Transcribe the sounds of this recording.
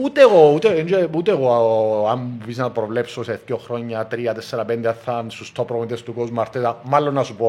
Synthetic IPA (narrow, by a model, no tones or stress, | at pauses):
ut̪eɣout̪eind͡ʒeut̪eɣoɐmupisnɐt̪opɾovlepsoseθk̪oxɾoɲːɐt̪ɾiɐt̪ɛsːeɾɐpend̪eaθːɐnsust̪opɾoonit̪est̪ukozmɐɾt̪et̪ɐmalːonːɐsupo